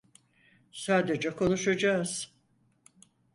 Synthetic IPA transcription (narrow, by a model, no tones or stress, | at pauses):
saːd̪ed͡ʒɛkʰo̞nuʃad͡ʒaːz̥